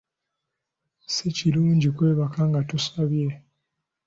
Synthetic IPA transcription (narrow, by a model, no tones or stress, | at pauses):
seciluːɲɟikwe̞ːβakaŋɡatusaβje̞